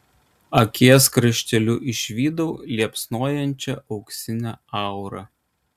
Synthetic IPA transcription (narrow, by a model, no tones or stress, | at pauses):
ɐkʲeɛskɾɐʃʲt̪ʲɛlʲʊʔɪʃʲʋʲiːd̪ɐʊlʲiɛpsnoːjɛnʲt͡ʃʲɛʔɒʊksʲɪnʲæɑˑʊɾɐ